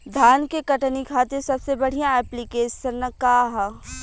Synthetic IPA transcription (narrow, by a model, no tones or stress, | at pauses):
d̪ʱaːnkekɐʈnikʰaːt̪ɪɾsɐbsebɐɽ̤ijãɛːplikeːʃəɾnəkaːɦa